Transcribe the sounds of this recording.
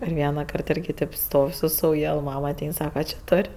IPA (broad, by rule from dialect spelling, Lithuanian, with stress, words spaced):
ɪr ˈʋʲiɛnɐˌkɐrt ˈɪrʲɡʲɪ tʲeːp ˈstoːw sʊ sɐʊˈjɛlˠ ˈmɐm ɐˈtʲɛɪn ˈsɑːkɐ t͡ʃʲɪ ˈtoːrʲ